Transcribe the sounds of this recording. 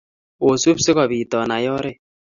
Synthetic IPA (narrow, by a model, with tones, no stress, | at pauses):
o˨su˦psɪ˦kɔ˨bi˨tɔ˨na˨jɔ˦ɾe˦˨